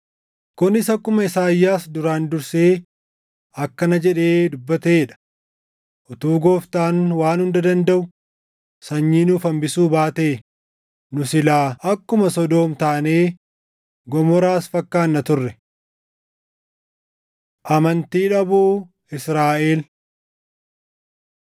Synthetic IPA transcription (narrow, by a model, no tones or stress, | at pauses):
kʊnɪsɐkːʊmɐɪsaːjːaːsd̪ʊɾaːnd̪ʊɾseː | ɐkːɐnɐd͡ʒɛᶑe̞ːd̪ʊbːɐt̪eːᶑɐ̥ | ʔɔt̪uːɡo̞ːft̪aːnwaːnhʊnd̪ɐd̪ɐnd̪ɐʔʊ | sɐɲːiːnʊfɐmbɪsuːbaːt̪eː | nʊsɪlaːʔɐkːʊmɐsɔd̪o̞ːmt̪aːneː | ɡɔmɔɾaːsfɐkːaːnːɐt̪ʊrːɛ | ʔɐmɐnt̪iːᶑɐbuː | ɪsɾaːʔe̞ːl